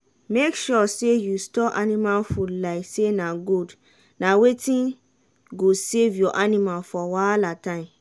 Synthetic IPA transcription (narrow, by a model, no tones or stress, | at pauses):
mekʃɔsejustɔʔa̰nĩmalfulaɪsenaɡud | nawetĩn | ɡosevjɔʔanimalfɔwalatãɪ̃m